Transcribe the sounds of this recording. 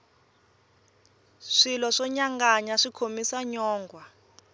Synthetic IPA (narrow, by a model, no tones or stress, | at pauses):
ʂilɔʂɔɲaŋɡaɲaʂikʰomisaɲɔːŋɡwa